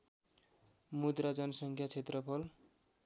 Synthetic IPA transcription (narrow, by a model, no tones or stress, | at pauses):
mud̪ɾad͡zʌnʌsʌŋkʰjat͡sʰet̪rʌpʰʌl